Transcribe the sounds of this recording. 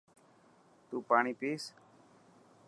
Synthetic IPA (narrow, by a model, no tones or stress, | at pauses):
t̪uːpaːɳ̃iːpiːs